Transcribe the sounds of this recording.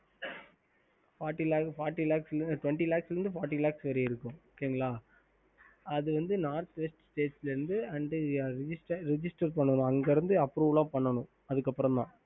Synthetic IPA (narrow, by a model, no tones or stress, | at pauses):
faːɾʈːilaːfaːɾʈːilaːksʈʋɛɳʈilaːksɪɾɯnd̪ɯfaːɾʈːilaːksʋɐɾɐɪɾɯkːʊ̃kːeːɯŋɡɐɭaː | ɐðɯʋɐnd̪ɯnaːɾt̪ʋɛsʈsʈeːʈslɐɾɯnd̪ɯɐɳɖɯɾɪd͡ʒɪsʈɐɾɾɛd͡ʒɪsʈɐɾpɐɳːɐnʊ̃ɐŋɡɐɾɯnd̪ɯɐpːɾuːʋlãːpɐɳːɐnʊ̃ | ɐðɯkːɐpːɯɾɔ̃t̪ãː